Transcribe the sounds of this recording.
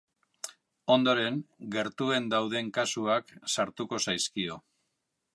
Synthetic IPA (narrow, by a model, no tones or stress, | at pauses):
o̞nd̪o̞ɾe̞ŋɡe̞ɾt̪ue̞nd̪awðe̞ŋkasuaksaɾt̪uko̞sajskio̞